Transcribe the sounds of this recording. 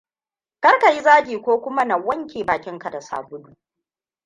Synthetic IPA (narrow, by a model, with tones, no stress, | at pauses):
kɐ˦rka˨ji˦zaː˦ɡʲiː˨kʷoː˦kʷʊ˦ma˦nɐ˨wːɐ˦ŋkʲeː˨baː˨kʲɪ˦ŋka˨da˨sa̰ː˨bʊ˦duː˦˨